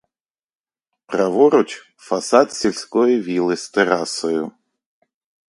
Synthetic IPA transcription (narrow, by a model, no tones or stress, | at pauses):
pɾɐʋɔɾʊt͡ʃʲ | fasat̪sʲelʲsʲkɔjɪʋʲilˠɪsʲt̪eɾasɔjʊ